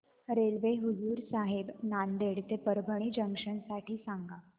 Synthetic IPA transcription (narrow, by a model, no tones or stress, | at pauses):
ɾelʋeɦud͡zuːɾsaɦebnand̪eɽt̪epəɾbʱəɳ̃iːd͡ʑəŋkʂəɳsaʈʰiːsaŋɡa